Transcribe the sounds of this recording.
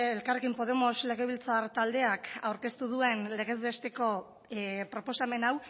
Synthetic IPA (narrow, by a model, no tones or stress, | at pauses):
elkarekimpo̞ð̞e̞mo̞zle̞ɣ̞e̞βilt͡saɾt̪ald̪e̞akawɾke̞st̪uðue̞nle̞ɣ̞e̞zβe̞st̪e̞ko̞ | pɾo̞po̞same̞naw